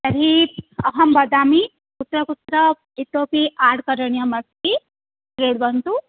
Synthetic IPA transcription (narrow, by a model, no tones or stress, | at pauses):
tɐɾip̚ɐɦɐmbɐd̪aːmi | kut̪ɾɐkut̪ɾɐ | it̪oːpiʔaːɽkɐɾɐɳjɐmɐsi | ɾeɽbɐnt̪u